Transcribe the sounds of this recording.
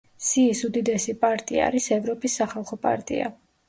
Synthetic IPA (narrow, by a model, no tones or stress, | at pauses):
siːsud̪id̪ɛsipʼaɾt̪ʼḭa̰ɾisɛvɾɔpʼisːaχalˠχɔpʼa̰ɾt̪ʼḭa̰